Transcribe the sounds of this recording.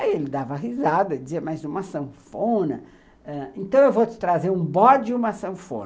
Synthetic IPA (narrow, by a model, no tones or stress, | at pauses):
aielɪd̪avɐɦizad̪ɐd͡ʒɪziɐmajzũmɐsɐ̃wfõnɐ | ɛ̃ẽnt̪ɐ̃w̃ewvot͡ʃɪ̥t̪ɾazeɾũbɔd͡ʒɪũmɐsɐ̃fõ̰nɐ